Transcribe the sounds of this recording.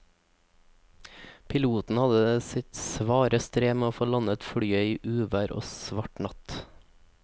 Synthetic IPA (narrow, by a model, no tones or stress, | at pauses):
pʰɪluːt̪n̩hɑd̪əsɪt̪sʋɑːɾəst̪ɾeːmeːoːfoːlɑnət̪fɽyːœʏʔʉːʋæːɾʔo̰ːsʋɑʈɳɑt̪